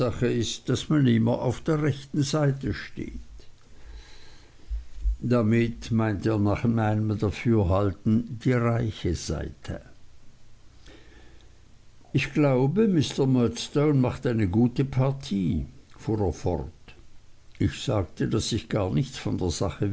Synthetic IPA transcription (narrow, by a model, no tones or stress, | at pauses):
aχəɪst̚d̥asmanɪmɐʔa̰ʊfd̥eːɐʁɛçtn̩zaɪtəʃtḛːt | d̥amɪtmaɪnteːɐnaːχmaɪnəmɐdafyːɐɦaltn̩d̥iːʁaɪçəz̥a̰ɪtʰə̰ | ʔɪçɡ̥laʊbəmɪstəmœtstoʊnmaχtʔaɪnəɡuːtəpʰaɐtʰiːfuːʁeːɐfɔ̰ʁt | ʔɪçz̥aːk̚tʰədasɪçɡ̥aːɐnɪçt͡sfɔndeːɐz̥aχə